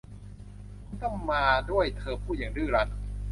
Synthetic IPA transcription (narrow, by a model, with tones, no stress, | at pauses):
kʰu˧˥nt̪ɔ˥˩ŋmaː˧du˥˩əjt̪ʰɤː˧pʰuː˥˩ji˨˩˦ŋdɯː˥˩ɾa˦˥t̪̚